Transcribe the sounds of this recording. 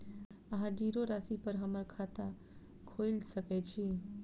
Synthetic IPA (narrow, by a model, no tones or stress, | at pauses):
əɦãd͡ʒiɾoɾasipəɾɦəməɾkʰat̪a | kʰoilsəkɛt͡ʃʰi